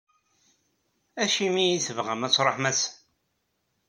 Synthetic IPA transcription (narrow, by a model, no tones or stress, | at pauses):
æʃimijiθəvʁəmæt͡sːɾˤoħmæs